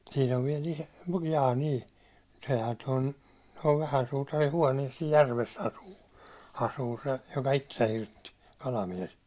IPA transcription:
siːn oʋ ʋiɛl iso jɑː ni sehæ ton toʋ ʋæhæn suːtɑri huɑˑniɛs sij jærʋes ɑsuː ɑsuː se jokɑ itːesæ hirtːi kɑlɑmies

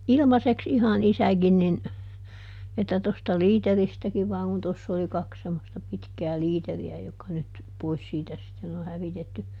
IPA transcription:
ilmɑseks ihɑn isæɡin nin etːæ tostɑ liːteristækiʋ ʋɑːŋ kun tosː oli kɑks semːostɑ pitkæː liːteriæ jokːɑ nyt pois siːtæ sitːen o hæʋitetːy

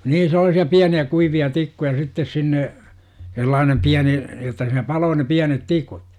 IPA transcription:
niːn selˑɑːsiɑ piæniæ kuiʋiɑ tikːujɑ sitːes sinːe selːɑːnem piæni jotːɑ siːnæ pɑloː ne piænet tikut

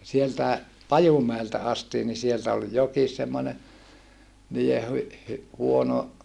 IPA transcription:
sieltæe pɑjumæeltæ ɑstiː ni sieltæ ol jokis semːone niːe hy hy huono

